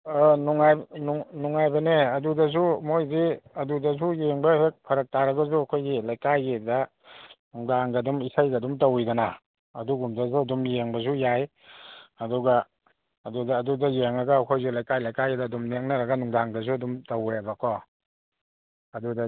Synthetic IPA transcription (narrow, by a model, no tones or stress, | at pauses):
ɔnuŋajnuŋnuŋajbɐneɐdudɐs̬umojziɐdudɐs̬ujeŋbɐhek̚pʰɐɾɐk̚taɾɐɡɐz̬uɐkʰojɡilajkajedɐ | nuŋdaŋɡadumisajɡadumtawjdana | ɐduɡumdazuɐdumjeŋbɐzujaj | ɐduɡaː | dudaːdudajeŋɾaɡaːkʰojzulajkajlajkajedaːdumneŋnaɾɐɡɐnuŋdaŋdɐz̬uɐdumtawjabakʰɔ | ɐduda